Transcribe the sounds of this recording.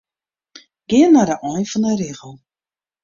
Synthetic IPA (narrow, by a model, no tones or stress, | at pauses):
ɡ̥ɪənːadəʔɔjnfɔnərɪːɣəlˠ